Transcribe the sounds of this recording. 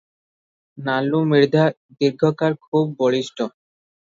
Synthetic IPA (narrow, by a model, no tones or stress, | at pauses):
nalumiɾd̪ʱa | d̪iɾɡʱokaɾkʰubːoɭiʃʈo